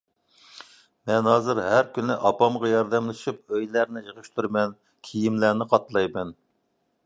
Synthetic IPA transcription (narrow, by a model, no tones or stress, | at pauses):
mɛnɦɑːzɨɾɦæɾkʲynɪʔɑpɑmʁɑjɑɾd̪ɛmlˠɨʃip̚øjlæɾnɪʒəʁɨʃt̪ʰuɾmɛn | kʲʰijimlænɪqʰɑt̪lˠɑjmɛn